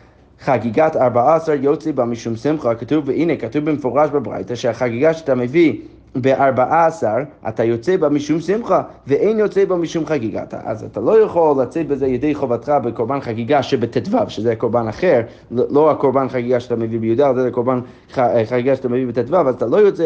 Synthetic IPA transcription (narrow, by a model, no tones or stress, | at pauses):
χaɡiɡataɾbaaasaɾjot͡sibamiʃumsɪmχəkatuvəʔinekatuvbəməfɔʁaʃbəbʁa̰jtaʃɛaχaɡiɡaʃatʰaməvi | beʔaɾbaʔaːsaʁʔa̰tʰajot͡sɛbamiʃumsɪmχa | vəʔeɪnjot͡sɛbamiʃumχaɡiɡa̰tʰa̰ʔa̰za̰tʰalˠojaχolːat͡sɛt̚bəzɛajedejχovatχabəkoɾbanχaɡiɡaʃɛbətʰɛtvavʃəzɛakoɾbanaχɛɾ | loakoɾbanχaɡiɡaʃatʰaməvibəjudalzɛzakoɾban | aχaɡiɡaʃat̪aməvibətɛtvavazatʰalˠojot͡sɛ